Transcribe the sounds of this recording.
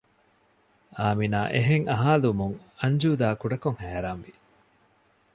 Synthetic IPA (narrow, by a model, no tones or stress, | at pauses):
aːminaːʔeɦeŋɐɦaːlumuŋ | ɐɲd͡ʒuːd̪aːkuɖɐkoŋhæːɾaːnʋi